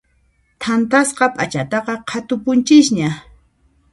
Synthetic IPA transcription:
t̪ʰant̪asqɑpʼat͡ʃat̪ɑqɑqʰat̪ʊpʊnt͡ʃɪsɲa

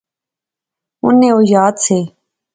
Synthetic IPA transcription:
ʊnːẽːoːjaːd̪seː

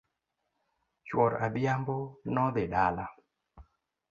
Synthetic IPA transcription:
t͡ʃwɔɾad̪jambonɔd̪ɪdala

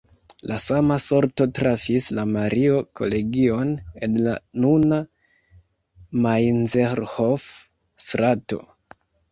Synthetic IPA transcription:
lasamaso̞ɾto̞tɾafislamaɾio̞kʰo̞̰le̞ɡio̞nedlanuna | majnzeɾhof | sɾato̞̰

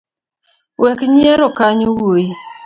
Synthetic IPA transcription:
wɛkɲeɾokaɲwoi

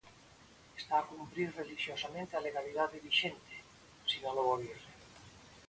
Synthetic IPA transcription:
est̪aːkumpɾiɾreliʃjosamẽnt̪ealeɣ̞alið̞aððeβiʃent̪e̥ | sinaloɣoβjere

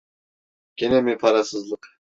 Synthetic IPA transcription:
kʲʰenemipʰɑɾɑsəzlˠəq

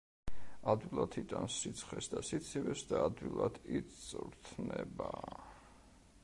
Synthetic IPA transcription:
ad̪wilˠat̪ʰit̪ʼansit̪sʰχɛsd̪asit̪sʰivɛsd̪aːd̪wilˠad̪ʰisʼɾt̪ʰnɛba

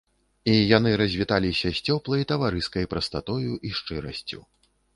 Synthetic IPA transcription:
ijan̪ɨɾɐzʲvʲit̪alʲisʲɐsʲt͡sʲɔplˠɐjt̪ɐvaɾɨskɐjpɾɐst̪at̪ɔjuʔiʂt͡ʂɨɾɐsʲt͡sʲṵ

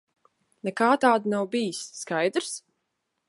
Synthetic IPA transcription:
nɛkaːt̪aːd̪nawbijisːkajd̪ɾs

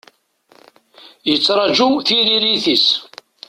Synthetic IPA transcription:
jət͡sːɾˤɑd͡ʒuθiɾiɾiθis

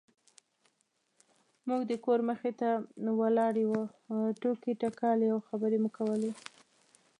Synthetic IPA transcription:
muɡd̪əkoɾməxet̪awəlɑɽewuʈokiʈakɑlawxabəɾemʊkawəle

